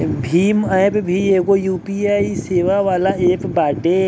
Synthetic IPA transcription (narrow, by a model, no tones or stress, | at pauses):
bʱiːmabbʱieːkojuːpiːaːiseːʋaʋaːlaeːpbaːɖe